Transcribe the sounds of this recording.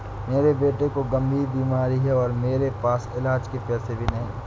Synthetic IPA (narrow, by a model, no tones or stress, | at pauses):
meːɾebeːʈekoɡɐ̃mbʱiːɾbiːmaːɾiɦɛɔːɾmeːɾepaːsɪlaːd͡ʒkepɛːsebʱinɐɦĩ